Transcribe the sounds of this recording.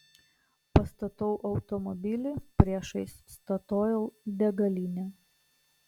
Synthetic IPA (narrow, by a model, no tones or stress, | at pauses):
pɐst̪ɐt̪ɔʊʔɒʊt̪ɔmɔbʲɪlʲɪpʲɾʲiɛʃɐɪsst̪ɐt̪oːjɛʊb̪ʲɛɡɐlʲinʲɛ